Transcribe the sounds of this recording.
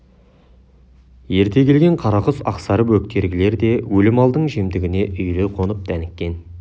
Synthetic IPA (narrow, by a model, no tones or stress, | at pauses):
je̞ɾt̪e̞kʲʰe̞lɡʲe̞ɴqʰɑɾɑʁəsɑ̰qsɑɾəp̬wɵk̚t̪e̞ɾɡʲɪle̞ɾd̪e̞wɵlɪmɑlˠd̪əɴʒemd̪ɪɡʲɪne̞ʔʏjɾeqʰo̞nəp̚d̪ʰænɪkʲːe̞n